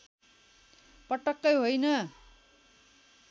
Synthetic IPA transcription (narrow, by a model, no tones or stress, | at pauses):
pʌʈʌkːʌjɦojnʌ